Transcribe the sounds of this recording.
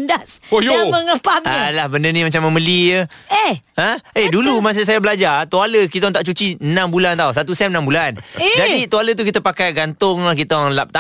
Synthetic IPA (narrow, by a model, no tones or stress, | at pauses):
ndasojoməŋəpamalahbəndənĩmat͡ʃaməməliəeə̃edulumas̬əs̬ajabəlad͡ʒart̪ualəkit̪ɔŋt̪aʔt͡ʃut͡ʃinãmbulant̪ausat̪usɛmənambuland͡ʒadit̪ualət̪̬ukit̪əpakajɡant̪ʊŋlakit̪ɔŋlap̚t̪a